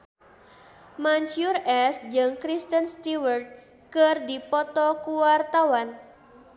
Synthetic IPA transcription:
maɲt͡ʃurɛsd͡ʒəŋkɾist̪ənst̪iwərd̪̚ | kərdipɔt̪ɔkuwart̪awan

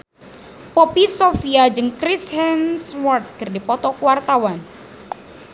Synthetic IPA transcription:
pɔpisofiad͡ʒɨŋkɾishɛnswɔrt̪̚kərdipɔt̪ɔkwart̪awan

